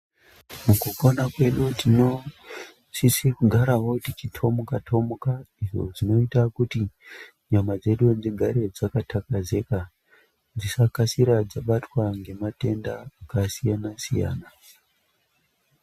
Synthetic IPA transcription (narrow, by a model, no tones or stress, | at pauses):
mukukonakwe̞ɗutino̞ | sisikuɡʱaɾawo̞tit͡ʃitʰo̞mukatʰo̞mukaiʐo̰d͡zino̞itakuti | ɲamad͡ze̞ɗud͡ziɡʱaɾe̞d͡zakatʰakaze̞ka | d͡zisakasiɾad͡zaɓatwaŋɡe̞mate̞ndaːkasijanasija̰ːna